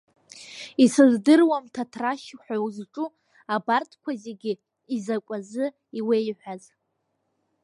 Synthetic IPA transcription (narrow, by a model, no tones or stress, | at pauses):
isɨzdɨrwamtʰatʰraʃħʷᶣawzʈ͡ʂʼu | abartʰkʷʰazeɡʲɪ | izakʷʼazɨ | iwe̞jħʷaz